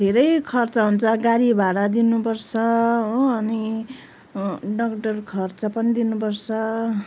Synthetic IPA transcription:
d̪ʱeɾʌjkʰʌrt͡sʌɦunt͡sʰʌɡaɾibaɽʌd̪inupʌrt͡sʰʌɦːni | ɖʌkʈʌrkʰʌrt͡sʌpʌnid̪inupʌrt͡sʰʌ

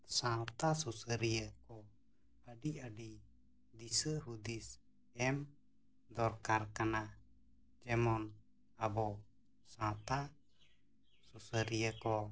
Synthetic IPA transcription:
sãt̪asusəɾijəkɔ | aɖiaɖi | d̪isəɦud̪is | ɛm | d̪ɔɾkaɾkana | d͡ʒɛmɔn | abɔ | sãt̪a | susəɾijəkɔ

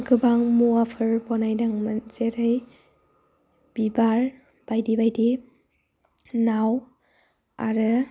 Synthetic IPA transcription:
ɡɯbaŋmuapʰɯɾbɔnajdaŋmanzeɾaj | b̥ibaɾ | b̥ajdibajdi | naw | a̰ɾɯ

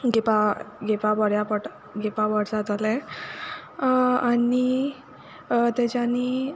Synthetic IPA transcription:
ɡepaɡepabəɽjapəʈ | ɡepabəɽd͡zat̪alɛ | ani | t̪ɛt͡ɕani

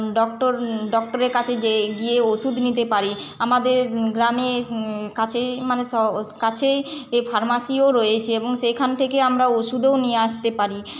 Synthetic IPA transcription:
ɖɔk̚ʈoɾɖɔk̚ʈoɾeɾkat͡ɕʰed͡ʑeɡieoʃud̪ʱnit̪epaɾi | amad̪eɾɡɾamekat͡ɕʰemaneʃɔkat͡ɕʰefaɾmasioɾojet͡ɕʰeeboŋʃekʰant̪ʰekeamɾaoʃud̪eonijeaʃt̪epaɾi

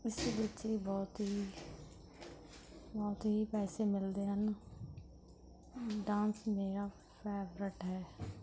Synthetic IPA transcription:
ɪsebɪt͡ʃiːbɔːt̪ɦiː | bɔːt̪ɦiːpɛːseːmɪld̪eːɦən | ɖãːnsmeːɾaː | pʰɛːʋɾɪʈɦɛː

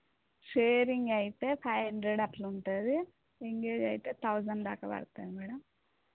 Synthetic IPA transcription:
ʂeːɾiŋɡɐjit̪e̞ːpʰɐjɦɐɳɖɾeɽɐʈluɳʈaːd̪i | eŋɡeːd͡ʒɐjt̪e̞ːt̪ʰɐwd͡ʒɐnd̪aːkɐbɐ̰ɽt̪aːd̪imɛːɽɐm

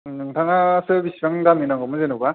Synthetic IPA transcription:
nɯŋtʰaŋasɯbisibaŋdaminaŋɡɯmɯzenɯba

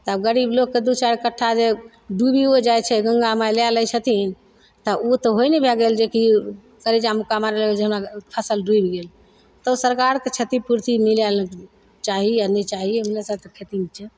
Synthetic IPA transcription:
t̪əbɡəɾiblokːed̪ut͡ʃaɾkəʈʰːad͡ʒe | ɖubiod͡ʒajt͡ʃʰɛɡəŋɡamajlalət͡ʃʰət̪ʰin | t̪ɔut̪ɔɦojnebʱɛɡeld͡ʒeki | kəɾid͡ʒamukamaɾelɡeld͡ʒeɦəmɾapʰəsəlɖuibɡel | t̪ɔusəɾkaɾket͡ʃʰət̪ipuɾt̪imilalk | t͡ʃaɦianɛt͡ʃaɦiɦəmnesəbt̪əkʰet̪imt͡ʃʰɛ

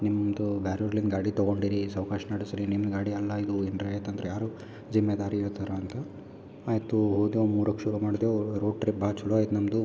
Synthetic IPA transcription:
nimmd̪ubjaːɾuɾlinɡaːɽit̪ɔɡo̞ɳɖiɾisɐwkaːʃɐnɐɽisɾinimnɡaːɽiɐlːɐid̪uindɾɐːjɐt̪ɐnd̪ɐɾejaːɾu | d͡ʒimːed̪aːɾijoːt̪ʰɐɾɐːnt̪ɐ | aːjt̪ːuɦoːd̪jomuːɾɐkːʃuɾumaːɽid̪eoɾoːɖ̚ʈɾip̚baːt͡ʃuluaːjt̪nɐmd̪u

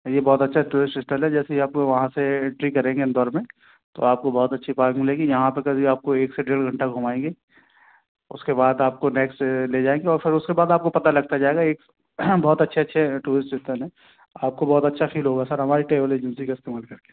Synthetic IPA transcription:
jebɔːt̪ɐtːʃʰaʈuːɾɪsʈsɪsʈəlɦɛd͡ʒɛːseiaːp̚koʋɐɦãseʈɾiːkɐɾẽːŋɡeɪnd̪ɔːɾmẽ | t̪o̰aːp̚kobɔːt̪ɐtːʃʰipaːɾkmɪlẽːŋɡijɐɦãpɐɾkazʱiaːp̚koeːkseɖeːɽɡʱɐ̃ɳʈaɡʱʊmaːẽːŋɡeː | ʊskebaːd̪aːp̚koneːksʈleːd͡ʒaːẽːŋɡeɔːɾfʰɪɾʊskebaːd̪aːp̚kopɐt̪alɐɡ̚t̪ad͡ʒaːeːɡaeːk | bɔːt̪ɐtːʃʰeɐtːʃʰeʈuːɾɪsʈsɪsʈ̪ənɦɛ̃ | aːp̚kobɔːt̪ɐtːʃʰafiːlɦoːɡasɐɾɦɐmaːɾiʈeːʋəleːd͡ʒə̃nsikaɪst̪eːmaːlkɐɾke̥ː

